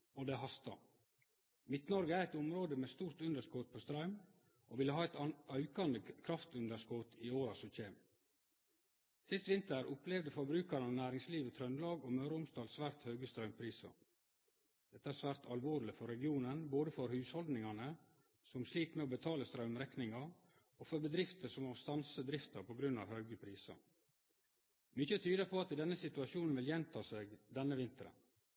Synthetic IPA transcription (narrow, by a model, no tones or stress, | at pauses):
od̪ɛɦɑst̪ɑ̰ | mɪt̪nɔɾɡəæɾɛt̪ʊmɾoːd̪əmeːst̪uːɾt̪ʉnd̪əʂkoːt̪̚pʰoːst̪ɾɑʉm | ʔoːʋɪlːəɦɑːɛt̪ɑœʉkɑnd̪əkʰɾɑft̪ʉnd̪əskoːt̪ʰiːoːɾɑsɔc͡çeːm | sɪst̪ʋɪnt̪əɾʊplɛʋd̪əfɔbɾʉːkɑɾənɑːnæːɾɪŋsliːʋət̪ʰɾœnlɑːɡoːmɑːɾəʊmst̪ɑːlsʋæːɾt̪hœːɡəst̪ɾɑʉmpʰɾiːsɑ̰ | d̪̥ɛt̪ːəæːɾsʋæːɾt̪ʰɑlʋoːɾlɪfɔɾɛɡɪuːnənboːd̪əfɔɾhʉːshɔld̪nɪŋɑnə | sɔmsliːt̪mɛoːbət̪ʰɑːləst̪ɾœʉmɾɛknɪŋɑ | ofɔɾbəd̪ɾɪft̪əsɔmoːst̪ɑnsəd̪ɾɪft̪ɑpʰɔɡɾʉnɑ̰ːʋhœʉɡəpʰɾiːsɑ̰ | mʏçət̪ʰyːd̪əpʰoːɑt̪ɪd̪ɛnːəsɪt̪ʉɑʃuːnn̩ʋɪljɛnt̪ʰɑːseːɡd̪ɛnːəʋɪnt̪əɾə̰